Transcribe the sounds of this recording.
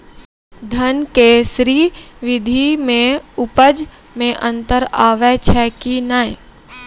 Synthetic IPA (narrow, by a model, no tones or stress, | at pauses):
d̪ʱənkeːsɾiːʋɪd̪ʱimẽʊpəd͡ʒ | mẽʔə̃nt̪əɾaːʋɛt͡ʃʰɛːkinaːi